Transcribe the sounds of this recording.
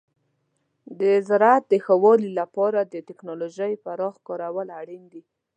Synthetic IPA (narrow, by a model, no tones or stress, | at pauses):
d̪əzaɾat̪̚d̪əxəwɑlilapɑɾad̪ət̪ɪknɑloʒəjpaɾɑxkɑɾawəlaɽind̪i